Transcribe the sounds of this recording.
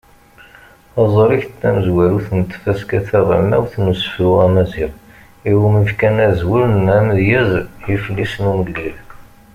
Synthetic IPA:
ɑzˤəɾiçt̪ːæməzwæɾuθənt̪ːfæskæθæʁˤa̰mæwθnusə̥fɾuʁæmæziʁ | iwuməfkænæzwəɾənæməðjæzjəfəlːisnuməɡːəl

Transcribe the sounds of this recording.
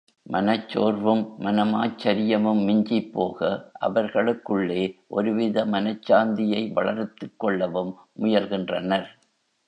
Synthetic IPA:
mʔɐnɐt͡ʃːoːrʋɯmːɐnɐmaːt͡ʃːɐɾɪjɐmɯmːɪɲd͡ʒɪpːoːɣɐʔɐ̰ʋɐɾɣɐɭɯkːɯɭːeːʔɔɾɯʋɪðɐmɐnɐt͡ʃːaːnd̪ɪjɐɪʋɐ̰ɭɐɾt̪ːɯkːɔɭːɐʋɯmːʊjɐlɣɪndrɐnɐɾ

